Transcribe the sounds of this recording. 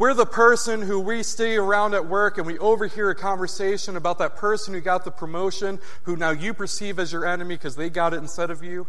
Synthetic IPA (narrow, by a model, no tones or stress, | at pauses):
wɪɹðəpʰɜ˞sɨ̃nɦuwisteɾiə˞ãʊ̃ndɨt̚wɜ˞kɨ̃nwiʔoʊvə˞hiɹɨkʰɑ̃ɱvə˞seɪʃɨ̃nɨbaʊt̪̚ðɨt̚pʰɜ˞sə̃n̩hʉɡɑt̪̚ðəpʰɹ̥ɨmoʊʃɨ̃n | hunaʊjɨpʰə˞sivɨzjə˞ɛnɨmikʰʌzðeɪɡɑɾɨɾn̩stɛɾʌvjʉ